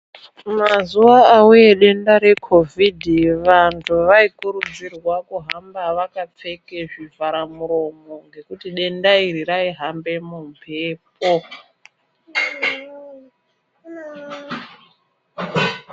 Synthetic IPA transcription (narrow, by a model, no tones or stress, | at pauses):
mazuwaːuje̞ɗe̞ndaɾe̞kʰo̞vʱidʱiʋantʰuʋaikuɾud͡zirwakuɦambaʋakap͡fe̞ke̞ʐivʱaɾamuɾo̞mo̞ŋɡe̞kutiɗe̞ndaiɾiraiɦambe̞mumpʰe̞ːp̚o